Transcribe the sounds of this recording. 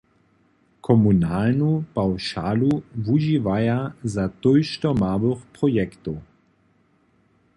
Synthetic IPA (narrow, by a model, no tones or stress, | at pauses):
kʰɔmunaːlnupawʃaːluvuʒivajazat̪ɔjʃt̪ɔmaːvəxprɔjɛkt̪ɔ